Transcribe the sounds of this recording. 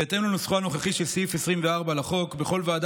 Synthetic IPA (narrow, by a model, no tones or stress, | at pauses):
et̪emlanusχuano̞χaχiʃe̞lsfesʁimveaʁbalaχo̞kbeχo̞lvaːd̪